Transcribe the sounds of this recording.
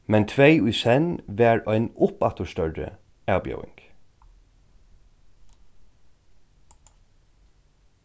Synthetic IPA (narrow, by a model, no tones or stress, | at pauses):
mɛnt̪ʰʋeɪʉːsɛnʋæːɹœɪnʊpɑt̪əʃt̪œɹə̰ | ɑːbjœ̰ʊɪ̰ŋɡ̥